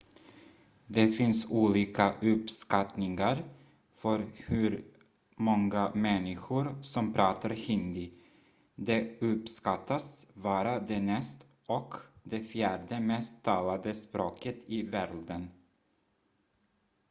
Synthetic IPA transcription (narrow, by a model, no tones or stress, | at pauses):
d̪ɛfɪnsuːliːkaʔɵpskat̪nɪŋaɾ | fœɾhʉɾ | mɔŋɡamɛnːɪɧʊɾsɔmpʰɾɑːt̪ʰaɾhɪnd̪ɪ | d̪ɛɵpskat̪ʰːasvɑːɾad̪ɛnɛst̪ | ʔɔkd̪ɛfjæːɖəmɛst̪ʰːɑːlad̪əspɾoːkət̪ɪvæɾɖ̪ən